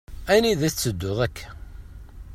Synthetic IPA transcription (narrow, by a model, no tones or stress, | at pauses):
æjniðæt͡sːəd̪ːʊðˤækʰːæ̥